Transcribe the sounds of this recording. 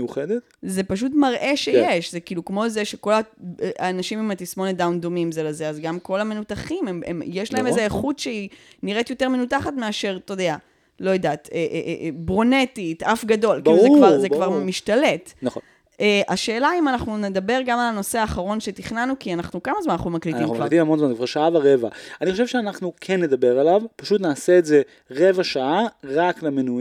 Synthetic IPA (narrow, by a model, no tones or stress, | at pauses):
juχedet | ze̞paʃ̬utmaʁʔe̞ʃejjeʃzekiːlukmo̞zeʃeko̞laanaʃimimatismo̞ned̪awnd̪o̞mimzeleze̞azɡamko̞lame̞nut̪aχimemḛmjeʃlahe̞mezeːχut̪ʃeiniʁet̪jo̞teme̞nutaχatmeaʃe̞ʁt̪od̪ea | lo̞jod̪aːt̪eʔbʁo̞ne̞titafɡado̞lkizekvaʁzekvaʁmiʃtale̞tnaχo | eʔaʃe̞ːlaimanaχnune̞d̪abe̞ʁɡamalano̞seaːχaʁo̞nʃe̞tiχnanukianaχnukamazmanaχnumaklit̪imkvait̪imhamonzmanzekvaʁʃaavaʁevaaniχo̞ʃevʃeanaχnukʰenːe̞d̪abe̞ʁalavpaʃutnaːseːtze | ʁevaʃaaʁaklemenu